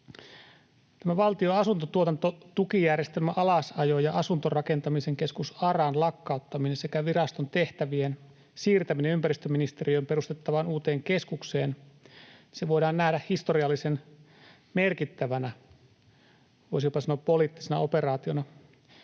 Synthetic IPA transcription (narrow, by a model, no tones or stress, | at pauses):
t̪æmæʋɑlt̪io̞ɑsunt̪ot̪uot̪ɑnt̪ot̪ukijærjest̪elmæʔɑlɑsɑjojɑʔɑsunt̪orɑke̞nt̪ɑmiseŋke̞skusɑrɑnlɑkːɑut̪ːɑminense̞kæʋirɑst̪ont̪e̞ht̪æʋien | siːrt̪æmineympæɾist̪øminist̪e̞rijojmpe̞rust̪et̪ːɑʋɑnuːt̪e̞ːŋke̞skukse̞ːn | seʋo̞jdɑːnːæhdæhhist̪o̞riɑlːisen | merkit̪ːæʋænæ | ʋo̞jsipɑsɑnoːppoliːt̪ːisenɑ̰ope̞rɑːt̪ionɑ